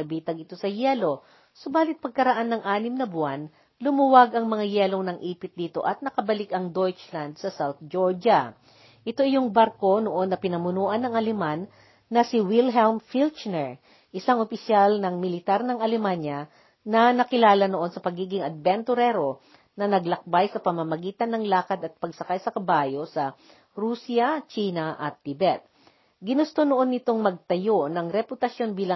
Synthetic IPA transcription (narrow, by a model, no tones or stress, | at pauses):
ɐbiːt̪ɐɡɪt̪o̞sɐjɛːlo̞ | so̞baːlɪt̪̚pɐɡ̚kɐɾɐʔanːɐŋʔaːnɪmnɐbʊan | lʊmuwaɡɐŋmɐŋajɛːlo̞ŋnɐŋʔiːpɪt̪̚d̪iːt̪o̞̰ʔɐt̪̚nɐkɐbɐlɪkʔɐŋd̪ojt͡ʃland̪̚sɐsawθd͡ʒoɹd͡ʒɐ | ʔɪt̪o̞ʔɪjoŋbaɾko̞noʔo̞nːɐpɪnɐmʊnuːʔɐnɐŋʔɐlɛmanː | ɐsɪwɪlɦɛlmfilt͡ʃnɛɹ | ʔɪsaŋʔopɪsjalnɐŋmɪlɪt̪aɾnɐŋʔɐlɛmanjɐ | nɐnɐkɪlaːlɐnoʔo̞nsɐpɐɡiːɡɪŋɐd̪̚bɛnt̪ʊɾɛɾo̞ | nɐnɐɡlɐk̚bajsɐpɐmɐmɐɡiːt̪ɐnːɐŋlaːkɐd̪ɐt̪̚pɐɡsɐkajsɐkɐbaːjo̞sɐ | ɾuːsjɐt͡ʃiːnɐʔɐ̰t̪ːɪbɛt̪̚ | ɡɪnʊst̪onoʔo̞nːɪt̪o̞ŋmɐɡ̚t̪ɐjo̞nɐŋɾɛpʊt̪ɐsjo̞nbiːlɐ